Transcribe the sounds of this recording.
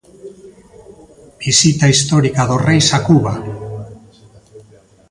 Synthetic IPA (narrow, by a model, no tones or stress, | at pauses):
b̥isit̪aist̪o̞ɾikaðo̞rejsakuβa